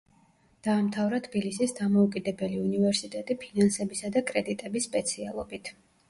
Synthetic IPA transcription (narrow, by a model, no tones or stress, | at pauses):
d̪̥aːmt̪ʰavɾat̪ʰbilisisd̪amɔukʼid̪ɛbɛliunivɛɾsit̪ʼɛt̪ʼipʰinansɛbisad̪akʼɾɛd̪it̪ʼɛbisːpʼɛt̪sʰia̰lˠɔbit̪ʰ